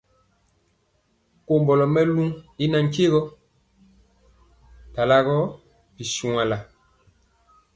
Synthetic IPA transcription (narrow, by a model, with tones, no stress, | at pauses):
ko˨mbɔ˨lɔ˨mɛ˦lu˦ŋi˦na˨ŋ˦ke˦ɣɔ˦ | ta˨la˦ɣɔ˦ | pi˨su˨ŋa˨la˨